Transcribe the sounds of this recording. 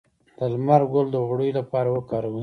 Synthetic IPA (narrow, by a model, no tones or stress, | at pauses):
d̪̥əlmaɾɡold̪əɣɽəjolapɑɾawəkɑɾawa